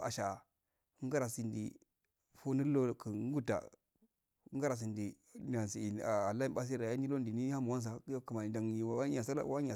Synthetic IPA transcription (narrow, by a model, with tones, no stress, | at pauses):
a̰˨ʃa˨˦ | ŋɡa˦ɾa˨si˨ndḭ˨ | fu˦ni˦lo˦˨ku˨˦ŋ˦ɡu˦ta̰˨˦ | ɡa˦ɾa˨s̬i˨ndi˨ | n˨a˨nsi˨i˨a˨a˨la˦i˦˨ba˦s̬i˦ɾa˨ja˦ni˦lo˦˨di˨ni˦ha˦mu˨wa˦ns̬a˨˦ku˨ma˨da˨ŋ˨i˨wa˨a˦ɲa˨sa˦la̰˦˨˦wa˦a˨